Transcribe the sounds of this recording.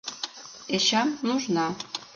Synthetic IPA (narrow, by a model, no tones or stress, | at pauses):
eʃɑmnuʒnɑ